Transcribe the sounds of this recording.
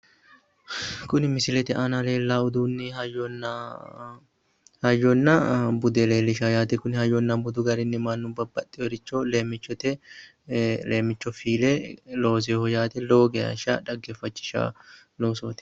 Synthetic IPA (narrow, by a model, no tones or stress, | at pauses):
kʊnɪmɪsɪlɛt̪ɛʔɐnɐle̞ːlːaʊd̪unːɪhɐjɔnːɐ | hɐjːɔnːɐbʊd̪ɛle̞ːlːɪʃajaːt̪ɛkʊnɪhɐjɔnːɐbʊd̪ʊɡɐɾɪnːɪmɐnːʊbɐbːɐt̪ʼːɪjɔɾɪt͡ʃːɔleːmːɪt͡ʃːɔt̪ɛ | leːmːɪt͡ʃːɔfiːlɛlo̞ːs̬ehɔjaːt̪ɛloːɡeɐ̰ʃɐ̰ᶑɐɡːɛfːɐt͡ʃːɪ̥ʃa̰ | lo̞ːsoːt̪ɛ̥